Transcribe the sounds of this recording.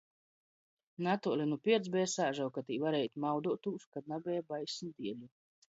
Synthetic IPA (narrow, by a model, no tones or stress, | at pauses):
nat̪ulʲinupʲiɛd̪zbɛːsaːʒawkat̪iːvaɾɛjt̪mawd̪uɔt̪uːskad̪̚nabʲɛjabajsnd̪iɛlu